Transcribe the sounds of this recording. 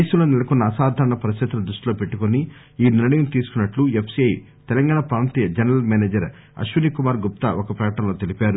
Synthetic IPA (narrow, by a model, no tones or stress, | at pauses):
ɐjsulo̞ːnɛlɐkunːɐːsaːd̪ʱaːɾɐɳɐpɐɾist̪ɐt̪ɾɐd̪ɾuʂʈiloːpe̞ʈːukoni | iːniɾɐɳijɐmt̪iːsu̥kunːɐʈluepʰsiɐj | t̪ɛlɐŋɡaːɳɐpɾaːnt̪iːjɐd͡ʒɐnɐɾɐlmeːneːd͡ʒɐɾ | ɐ̰ʃʋunikumaːɾɡup̚t̪ɐʔokɐpɾɐjɐʈɐmlo̞ːt̪elipaːɾu